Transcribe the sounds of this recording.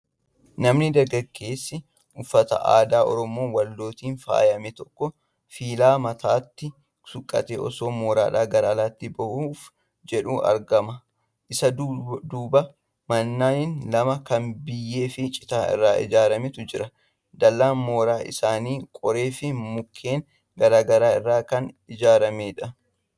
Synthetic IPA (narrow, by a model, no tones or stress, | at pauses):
nɐmnɪd̪ɐɡɐɡːe̞ːsːɪ | ʔʊfːɐt̪ɐ̰ʔa̰ːd̪aːʔɔ̰ɾɔmoːwɐlːo̞ːt̪iːnfa̰ːjɐmɛt̪ɔkːɔ | fiːlaːmɐt̪aːt̪ːɪ | sʊkʼːɐ̰t̪eːʔɔ̰so̞ːmoːɾa̰ːᶑaːɡɐɾaːlaːt̪ːɪbɐhuːf | d͡ʒɛᶑuːʔɐ̰ɾɡɐmɐ | ʔɪsɐd̪uːbɐ | mɐnːaːnɪnlɐmɐkɐnbɪjːe̞ːfɪt͡ʃʼɪ̥t̪aːɪ̰rːaːʔɪ̰d͡ʒaːɾɐmɪt̪ʊd͡ʒɪɾɐ | d̪ɐlːaːnmo̞ːɾaːʔɪ̰saːniːkʼɔɾe̞ːfɪmʊkʰːe̞ːŋ | ɡɐɾaːɡɐɾaːɪrːaːkɐn | ɪd͡ʒaːɾɐmeːᶑɐ